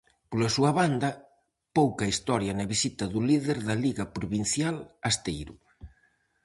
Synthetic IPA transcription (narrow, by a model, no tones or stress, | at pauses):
polasuɐβand̪ɐ | powkɐist̪ɔɾjɐnɐβisit̪ɐðuliðeɾðɐliɣɐpɾoβin̟θjalast̪ejɾu